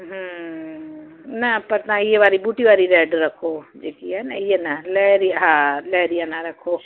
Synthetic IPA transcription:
ɦə | nɐpɐɾnãijeʋaːɾibuːʈiʋaːɾiɾɛːɖɾɐkʰod͡ʒeːkiɛnɐijenɐlɛːɾiɦãːlɛːɾijanaɾɐkʰo

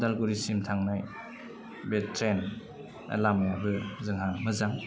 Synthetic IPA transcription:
dalɡuɾisimtʰaŋnaj | betɾen | a̰lamajabɯzɯŋɦamɯzaŋ

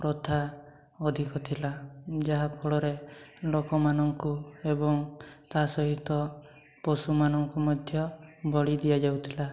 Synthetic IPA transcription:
pɾɔt̪ʰa | ɔd̪ʱikɔt̪ʰilad͡ʒaɦapʰɔɭɔɾelokɔmanɔŋkuebɔŋt̪asɔɦit̪ɔ | pɔsumanɔŋkumɔd̪ʱjɔbɔɽid̪ijad͡ʒawt̪ʰila

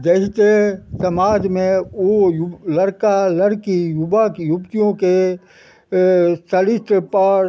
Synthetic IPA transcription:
d͡ʒeːst̪esɐmaːd͡ʒmẽojlɐɾkaləɽkijʊbakjʊbt̪ijõke | sɐlɪsʈpɐɾ

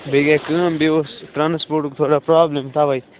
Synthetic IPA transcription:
bʱeɡeːkə̃ːmbiosʈ̪ɾaːnspoːɾʈkt̪ʰoːɽaːpɾaːblemt̪ʰaːʋai

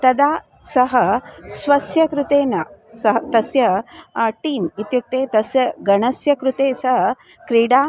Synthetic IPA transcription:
t̪ɐd̪aː | sɐɦɐsʋɐsjɐkɾut̪eːnɐsɐɦɐt̪ɐsjɐ | ʈiːmit̪juk̚t̪eːt̪ɐsjɐɡɐɳɐsjɐkɾut̪eːsɐɦɐ | kɾiːɽaː

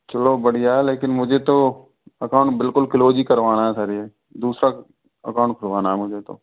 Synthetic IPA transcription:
t͡ʃɐlobəɽ̤ijaɦɛleːkɪnmʊd͡ʒʱet̪o | ɐkãːʊ̃ɳʈbɪlkʊlkɪloːd͡ʒikəɾʋaːnaɦɛsaːɾie | d̪uːsɾa | ɐ̰kãʊɳʈkʰəɾʋaːnaɦɛmʊd͡ʒʱet̪o̰

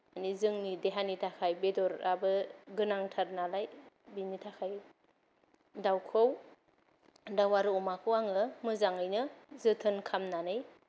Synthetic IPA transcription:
anizɯŋnideɦanitʰakʰajbedɔɾabɯɡɯnaŋtʰaɾnalaj | binitʰakʰaj | dawkʰɯw | dawaɾɯɔmakʰɯwaŋɯmɯzaŋɯjnɯzɯtʰɯnkʰamnanɯj

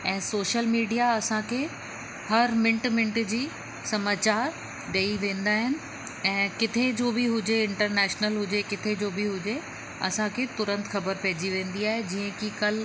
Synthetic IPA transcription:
ɛ̃ːsoːʃəlmiːɖijaɐsãkʰeː | hɐɾmɪ̃ɳʈmɪ̃ɳʈd͡ʑiː | sɐmaːt͡ɕaːɾ | ɖeːiʋẽːnd̪aːɦɪnɪ̆ | ɛ̃ːkɪt̪ʰed͡ʑoːbɪɦʊd͡ʑeɪ̃ɳʈəɾnɛːʃnəlɦʊd͡ʑekɪt̪ʰed͡ʑoːbɪɦʊd͡ʑe | ɐ̰sãkʰet̪ʊɾə̃nt̪xɐbəɾpɛɦd͡ʑiʋẽːn̆d̪iaːɦed͡ʑiːə̃kikɐl

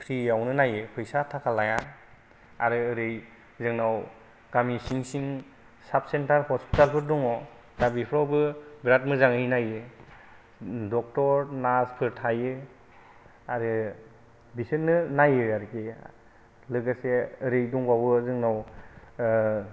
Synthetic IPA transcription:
pʰɾijawnɯnajɯpʰɯjsatʰakʰalaja | a̰ɾɯːɾɯj | zɯŋnaw | ɡ̥amisiŋsiŋ | sap̚sentaɾhɔspitalpʰɯɾdɔŋɔ | dabipʰɾawbɯbɾat̚mɯzaŋɯjnajɯ | dɔk̚tɔɾnaspʰɯɾtʰajɯ | aɾɯ | bisɯnnːɯnajɯaɾke | lɯɡaseːɾɯjdɔŋbawɯzɯŋnaw

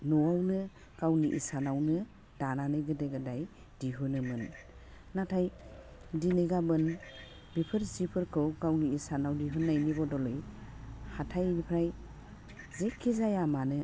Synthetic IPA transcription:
nɔwawnɯ | ɡawniʔḭsanawnɯ | dananɯjɡɯdeɡɯdaj | d̥iɦunɯmɯn | natʰajdinɯɡabɯn | bipʰɯɾzipʰɯɾkʰɯwkawniisanawdiɦunːajnibɔdɔlɯj | hatʰajnipʰɾaj | zekʰːizajamanɯ

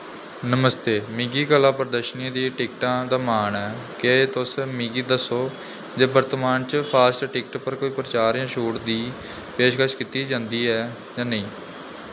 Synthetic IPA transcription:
nəməst̪eːmɪːɡiːkəlãːpəɾd̪əʃnãːd̪iːʈɪkʈãːd̪aːmaːnɛː | kɪeːt̪ʊsmiɡiːd̪əsːoː | d͡ʒeːbəɾt̪əmaːnt͡ʃpʰaːsʈʈɪk̚ʈpəɾkoːiːpɾət͡ʃaːɾjãːʃuːʈd̪iː | peːʃkəʃkit̪iːd͡ʒãːnd̪iːɛː | d͡ʒãːnəĩː

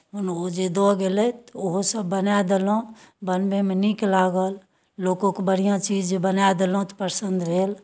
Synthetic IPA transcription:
ɦʊnod͡ʒed̪ɔɡelɛt̪oɦosəbːənad̪elõ | bənmemeniklaːɡəlː | oːkõkebəɽ̤ijãt͡ʃiːd͡ʒbənad̪elõt̪pəɾsənd̪ɾeːl

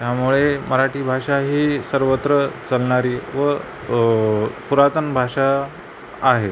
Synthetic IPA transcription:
t̪jamuɭeməɾaʈiːbʱaʂaɦiːsəɾʋət̪ɾət͡səlɳaɾiːʋə | puɾat̪ənbʱaʂaː | ɦe

